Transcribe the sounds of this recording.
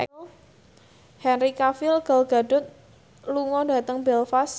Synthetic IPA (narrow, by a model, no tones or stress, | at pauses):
hɛnrikafɪlɡ̥alɡa̤ɖʊ̤t̪̚ | luŋɔda̤t̪əŋbɛlfas